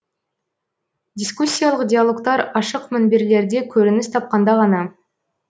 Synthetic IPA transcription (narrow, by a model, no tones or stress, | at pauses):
dʲiskusʲːijalˠəqdʲejalˠo̞kt̪ɑɾɑʃəqmɪnbeɾle̞ɾd̪e̞kʲʰɵɾɪnɪst̪ʰɑp̚qɑnd̪ɑʁɑnɑ